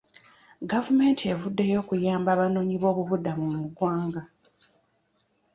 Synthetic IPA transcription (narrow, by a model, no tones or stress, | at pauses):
ɡavume̞ːntʰie̞vudːe̞jo̞ːkujaːmbaβanoːɲiβo̞ːβuβudamummuɡwaːŋɡa